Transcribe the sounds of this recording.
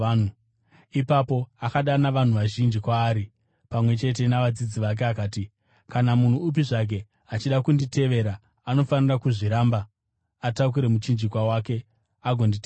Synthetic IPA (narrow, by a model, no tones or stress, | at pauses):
ipapo̞akaɗanaʋan̤uʋaʒind͡ʒikwaːɾi | pamwe̞t͡ʃe̞t̬e̞naʋad͡zid͡ziʋak̬e̞akaːti | kanamun̤uːp̬iʐak̬e̞ | at͡ʃiɗakundite̞ʋe̞ɾaː | no̞fanirakuʐiɾaːmba | atak̬uɾe̞mut͡ʃind͡ʒikwawake̞ | aɡʱo̞ndite